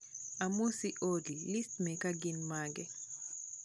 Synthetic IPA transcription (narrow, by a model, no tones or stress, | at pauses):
amusiʔodilistmɛkaɡinmaɡɛ